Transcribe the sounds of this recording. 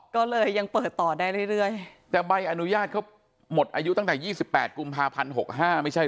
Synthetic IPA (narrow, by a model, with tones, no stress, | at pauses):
kɔː˥˩lɤː˧jːa˧ŋpɤː˨˩t̪ːɔː˨˩daː˥˩jɾɯ˥˩jɾɯ˥˩əjt̪ɛː˨˩ba˧jʔa˧nu˦˥jaː˥˩t̪̚kʰa˦˥w | mo˨˩t̪̚ʔa̰ː˧ju˦˥t̪a˥˩ŋt̪ɛː˨˩jiː˥˩si˨˩pːɛː˨˩t̪̚ku˧mpʰaː˧pʰa˧nɦo̰˨˩k̚ɦaː˥˩ma˥˩jt͡ɕʰa˥˩